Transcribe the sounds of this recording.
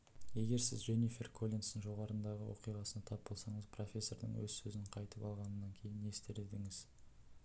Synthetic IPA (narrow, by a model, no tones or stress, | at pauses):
je̞ɡʲe̞ɾsɪzʒe̞nifʲe̞rkʰo̞lʲinsənʒo̞ʁɑɾənd̪ɑʁəwo̞̰qijʁɑsənɑt̪ʰɑp̚bo̞lˠsɑɴəzpʰro̞fʲe̞sːoɾd̪ə̰ɴwɵ̰zsɵzɪɴqʰɑjt̪əpɑlˠʁɑnənːɑŋkʲʰe̞jɪne̞st̪eɾed̪ɪŋɪz̥